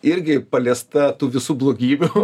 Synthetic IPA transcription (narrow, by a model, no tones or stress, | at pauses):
ɪɾʲɡʲɪpɐlʲeːst̪ɐt̪uːʋʲɪsuːblˠoːɡʲiːbʲʊ